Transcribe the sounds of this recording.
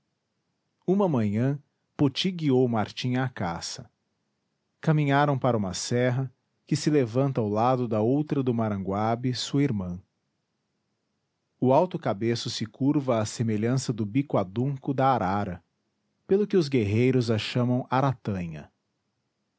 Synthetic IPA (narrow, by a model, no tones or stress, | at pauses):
ũmɐmɐ̃ɲɐ̃ | pot͡ʃiɡiowmaɾt͡ʃĩɲɐːkasɐ | kamĩɲaɾɐ̃w̃paɾɐũmɐsɛɦɐ | kɪsɪlevɐ̃nt̪ɐawlad̪ʊd̪ɐowt̪ɾɐd̪ʊmaɾɐ̃ŋɡwabɪsuɐiɾmɐ̃ | ʊawt̪ʊkabesʊsɪkuɾvɐːsemeʎɐ̃sɐd̪ʊbikwad̪ũkʊd̪ɐaɾʔaɾɐ | pelʊkɪʊzɡeɦejɾʊzɐʃɐ̃mɐ̃w̃aɾat̪ɐ̃ɲɐ̰